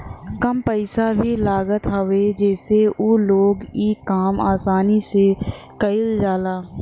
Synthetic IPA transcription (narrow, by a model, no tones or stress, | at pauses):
kɐmpəɪsabʱilaːɡət̪ɦəʋed͡ʒɛːseʔoːloːɡiːkaːmaːsaːnise | kɐɪld͡ʒaːlaː